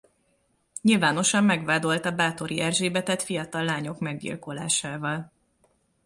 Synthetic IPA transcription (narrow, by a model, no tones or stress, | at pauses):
ɲilvaːno̞ʃɒmːɛɡʋaːd̪o̞lt̪ɒbaːt̪o̞ɾiʔɛrʒeːbɛt̪ɛt̪fijɒt̪ɒlːaːɲo̞kmɛɡɟḭlko̞la̰ːʃaːvɒl